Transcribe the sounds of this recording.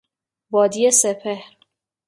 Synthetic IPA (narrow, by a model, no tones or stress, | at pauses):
bɒːd̪iːesepʰehɾ